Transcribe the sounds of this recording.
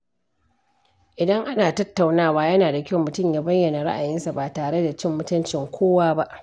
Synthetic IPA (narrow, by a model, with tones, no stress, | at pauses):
ʔɪ˨dɐ˦ŋʔa˦naː˨tɐ˦tːa˨wnaː˦waː˦jɐ˦naː˨da˨kʲɐ˦˨mʊ˨tʊ˦˨mjaː˦bɐ˦jːɐ˨na˨ɽa̰˦ʔa˨jɪ˦nsa˨baː˨taː˨ɽe˦da˨t͡ʃɪ˦mːʊ˦tʊ˦nt͡ʃɪ˨ŋkʷʰoː˦waː˦ba˦ʔ